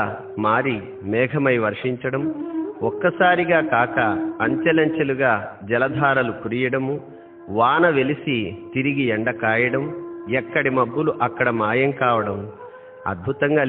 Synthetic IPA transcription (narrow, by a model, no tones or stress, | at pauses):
maːɾi | mɛːɡʱɐmɐjʋɐɾʂiɲt͡ʃɐɽɐmɔkːɐsaːɾiɡaːkaːkɐːɲt͡ʃɐlɐɲt͡ʃɐluɡaːd͡ʒɛlɐd̪ʱaːɾɐlukuɾijɐɽɐmu | ʋaːnɐʋe̞lisit̪iɾiɡiɛɳɖɐkaːjɐɽɐmɛkːɐɽimɐbːuluʔɐkːɐɽɐmaːjɐŋkaːʋɐɽɐm | ɐ̰d̪̚bʱut̪ɐŋɡaː